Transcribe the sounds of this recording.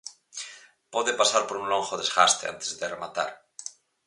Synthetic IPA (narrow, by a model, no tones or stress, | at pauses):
poðepasaɾpoɾuŋloŋxoðezɣa̰st̪ea̰nt̪e̥zðeremat̪a̰ɾ